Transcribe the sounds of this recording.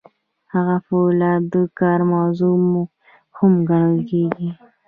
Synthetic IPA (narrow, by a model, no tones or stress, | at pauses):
haɣafolɑd̪əkɑɾmawzumu | hʊmɡaɽ̃əlkeɡi